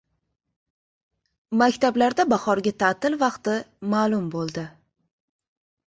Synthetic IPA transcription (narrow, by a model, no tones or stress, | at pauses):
makʲt̪ʰablaɾd̪abɑχɒɾɡʲat̪ʰat̪ɪlvɑqt̪ɪmalˠʊmbolˠd̪ɪ